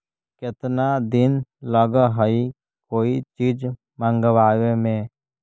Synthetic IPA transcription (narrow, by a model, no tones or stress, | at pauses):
kɪt̪nad̪ɪnləɡəɦəi | koːit͡ʃiːd͡ʒ | mə̃ŋɡəʋaːʋemẽː